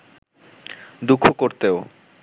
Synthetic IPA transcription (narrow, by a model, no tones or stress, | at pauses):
d̪ukʰːokoɾt̪eo